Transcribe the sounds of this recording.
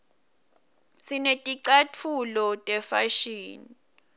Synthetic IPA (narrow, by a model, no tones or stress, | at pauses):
sinetʼiǀatʰulɔtʼɛfaʃiːni